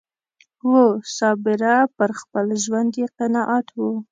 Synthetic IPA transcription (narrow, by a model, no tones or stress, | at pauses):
wosɑbɪɾapəɾxpəlʒwand̪jeqɪnɑʔat̪wu